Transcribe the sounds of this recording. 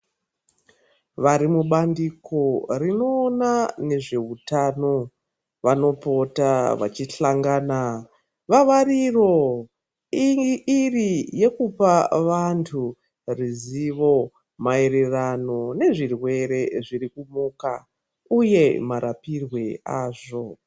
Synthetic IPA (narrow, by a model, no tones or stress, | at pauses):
ʋaɾimuɓandikʰo̞rino̞ːnane̞ʐe̞utano̞ | ʋano̞po̞taʋa̰t͡ʃiɬaŋɡaːna | ʋaʋariro̞ | iːrije̞kupaʋantʰu | riziʋo̞ | maeɾerano̞ne̞ʐirwe̞ɾe̞ʐiɾikumuːka | uje̞maɾapirwe̞aːʐo̞